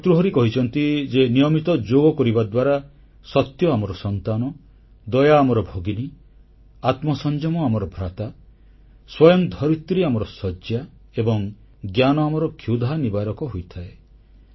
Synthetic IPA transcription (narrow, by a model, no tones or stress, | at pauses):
t̪ɾuɦɔɾikɔɦit͡ʃʰɔnt̪id͡ʒenijɔmit̪ɔd͡ʒoɡɔkɔɾibad̪waɾa | sɔt̪jɔamɔɾɔsɔnt̪anɔ | d̪ɔjaːmɔɾɔbʱoɡini | at̪mɔsɔnd͡ʒɔmɔamɔɾɔbʱɾat̪a | swɔjɔŋd̪ʱɔɾit̪ɾiamɔɾɔsɔd͡ʒja | ebɔŋ | ɡjanɔamɔɾɔkʰjud̪ʱanibaɾɔkɔɦojt̪ʰae